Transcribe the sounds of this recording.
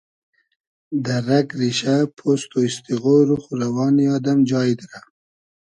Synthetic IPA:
d̪aɾakɾiʃapʰost̪oist̪iɣoɾuxuɾawɑːniɑːd̪amd͡ʒɑːid̪ɾa

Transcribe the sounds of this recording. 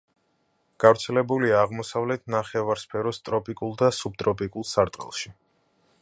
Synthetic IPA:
ɡ̥avɾt̪sʰɛlɛbuliaːʁmɔsavlɛt̪ʰnaχɛvaɾspʰɛɾɔst̪ʼɾɔpʼikʼulˠd̪asub̚t̪ʼɾɔpʼikʼulˠsaɾt̪ʼqʼɛ̰lˠʃi

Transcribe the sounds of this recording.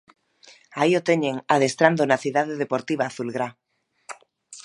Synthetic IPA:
aiot̪e̞ɲe̞ŋað̞e̞st̪ɾand̪onaθiðaðeðe̞po̞ɾt̪iβ̞aːθulɣɾa

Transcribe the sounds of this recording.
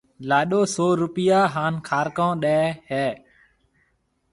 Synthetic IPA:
laːɗoːsoːɾʊpɪjaːɦaːnkʰaːɾkãːɗɛːhɛː

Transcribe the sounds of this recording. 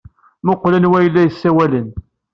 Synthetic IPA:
mʊqːlænwæjəlːæjəsːæwælən

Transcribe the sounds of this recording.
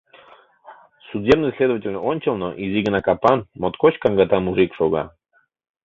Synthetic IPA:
sudʲebnɨsʲlʲed̪əvətʲɪlʲnəonʲt͡ɕɪlˠnoʔizʲiɡənakapanmot̪kot͡ɕkaŋɡat̪amuʐikʂoɡa̰

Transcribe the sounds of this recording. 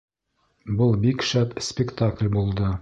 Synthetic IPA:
bɤlˠbikʃæpsʲpʲɪkt̪aklʲbulˠd̪ɤ

